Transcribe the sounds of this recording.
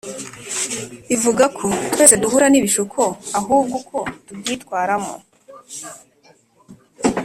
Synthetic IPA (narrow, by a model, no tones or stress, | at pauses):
ivuɡakʰotweːze̞duhuɾaniβiʃukʰoaɦuːb̚ɡukʰo̞tubɡitkwaːɾamo̰